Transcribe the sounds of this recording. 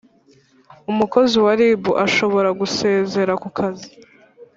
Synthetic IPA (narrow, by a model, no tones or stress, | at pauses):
umuko̞ziwaɾibuʔaʃo̞βo̞ɾaɡuse̞ːze̞ɾakukʰazi